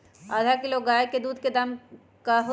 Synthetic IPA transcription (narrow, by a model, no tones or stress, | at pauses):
aːd̪ʱakiloːɡaːeked̪uːd̪̚ked̪ɐm | kaɦʊ